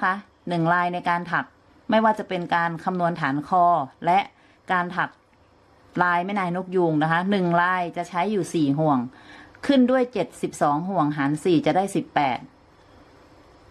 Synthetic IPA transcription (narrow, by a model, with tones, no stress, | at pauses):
kʰa˦˥ʔ | nɯ˨˩ŋɾaː˧jna˧jkaː˧nt̪ʰa˨˩k̚ | ma˥˩jwaː˥˩t͡ɕa˨˩pe˧nkaː˧nkʰa˧mnu˧ənt̪ʰaː˩˦nkʰɔː˧lɛ˦˥ʔ | kaː˧nt̪ʰa˨˩k̚ | ɾaː˧jma˥˩jnaː˧˩jnu˦˥k̚juː˧ŋna˦˥kʰa˦˥nɯ˨˩ŋɾaː˧jt͡ɕa˨˩ʔt͡ɕʰa˦˥jːuː˨˩siː˨˩ɦu˨˩əŋkʰɯ˥˩ndu˥˩əjt͡ɕe˨˩t̪̚si˨˩p̚sɔː˩˦ŋɦu˨˩əŋɦaː˩˦nsiː˨˩t͡ɕa˨˩ʔdaː˥˩jsi˨˩pːɛː˨˩t̪̚